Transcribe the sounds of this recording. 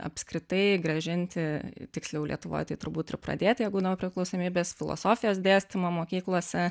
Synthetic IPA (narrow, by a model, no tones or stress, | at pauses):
ɐ̰pʲskɾʲɪt̪ɐɪɡɾɐʒʲɪnʲt̪ʲɪt̪ʲɪksʲlʲɛʊlʲḭɛt̪ʊʋo̰ːjt̪ɐɪt̪ʊɾbuːt̪ɪɾpɾɐ̰d̪ʲeːt̪ʲjɛɪbuːd̪ɐʋoːpʲɾʲɪklˠɒʊsoːmʲiːbʲeːsfʲɪlˠo̰soːfʲɪjoːsd̪ʲeːsʲt̪ʲɪmoːmoːkʲiːklˠoːsʲɛ